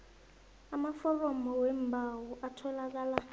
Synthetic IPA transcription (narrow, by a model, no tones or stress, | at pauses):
amafɔrɔmɔwɛmbʱawɔʔatʰɔlak̬aːla